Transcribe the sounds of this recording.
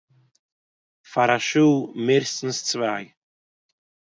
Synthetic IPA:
faɾaʃuːmɪɾstn̩st͡svaj

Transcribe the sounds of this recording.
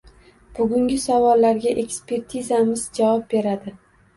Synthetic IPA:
b̥ʊɡʲʊŋɡʲɪsavɒlˠːaɾɡʲaʔe̞kspe̞ɾt̪ʰizamɪzd͡ʒavɒp̚be̞ɾad̪ɪ

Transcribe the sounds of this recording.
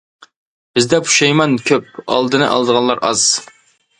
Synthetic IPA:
b̥ɪzd̪ɛpʰu̥ʃɑjmɑnkʲʰøp̚ɑ̰lˠd̪ɨnɨʔɑ̰lˠd̪əʁɑnlˠɑɾʔɑ̰z̥

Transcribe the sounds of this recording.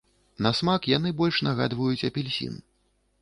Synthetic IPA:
nɐsmakjanɨbɔlʲʂnaɣa̰d̪vɐjut͡sʲɐpʲilʲsʲḭn

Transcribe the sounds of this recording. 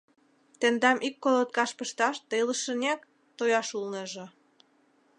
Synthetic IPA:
t̪end̪ɑmʔikːolot̪̚kɑʃpə̆ʃt̪ɑʃt̪ələ̆ʃə̆nʲæk | t̪ojɑʃulnə̆ʒɤ̆

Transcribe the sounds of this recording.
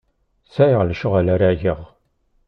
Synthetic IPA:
sæjʁlʃəʁalaɾæʝəʁ

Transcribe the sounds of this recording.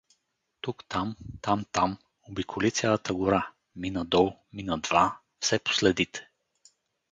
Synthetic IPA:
t̪ukt̪amt̪amt̪am | obikʰolit̪sʲjalˠət̪əɡʊɾa | minəd̪ɔlˠminəd̪va | fsɛpo̥slɛd̪it̪ʰɛ̥

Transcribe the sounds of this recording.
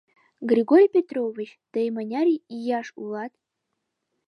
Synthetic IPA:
ɡrʲiɡorʲpʲet̪rovʲit͡ɕd̪̥əjmanʲɑɾʲiijɑʂulˠɑt̪

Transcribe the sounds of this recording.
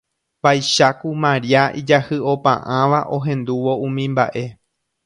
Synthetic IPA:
pajʃakumãɾiaʔid͡ʒahɨo̞pã̰ʔãʋaʔo̞ɦẽ̞nd̪uʋo̞ũmĩmba̰ʔe̞

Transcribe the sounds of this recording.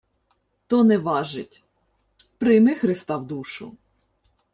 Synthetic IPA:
t̪ɔnɛʋɑʒɪtʲ | pɾɪmɪxɾɪst̪ɑwd̪uʃʊ̰

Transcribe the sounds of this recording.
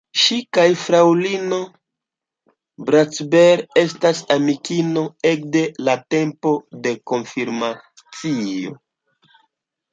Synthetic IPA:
ʃikajfɾawlino̞ | bɾat͡sbe̞ɾe̞stasamikino̞e̞kde̞late̞mpo̞de̞ko̞nfiɾma | t͡sio̞̰

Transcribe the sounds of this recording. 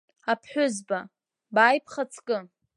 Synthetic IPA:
apʰħʷᶣʊzba | baːjpʰχat͡sʰʼkʼɨ

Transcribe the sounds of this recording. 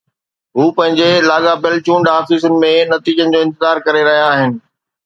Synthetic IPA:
ɦuːpɐ̃ɦɪ̃ɲd͡ʑelaːɡabɪlt͡ɕũːɳɖaːfiːs̬ənɪ̆mẽnɐt̪iːd͡ʑənɪ̆d͡ʑoːɪ̃nt̪ɪzaːɾkɐɾeɾɐɦijaːɦɪnɪ̆

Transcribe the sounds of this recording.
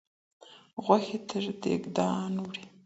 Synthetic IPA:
ɣwaxet̪ʰəʐd̪ḛɡd̪ɑːnwɽi

